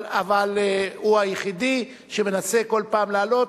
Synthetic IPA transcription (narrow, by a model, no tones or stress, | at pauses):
avalhuajeχid̪i | ʃe̞me̞nase̞ko̞lpaːmlaːlo̞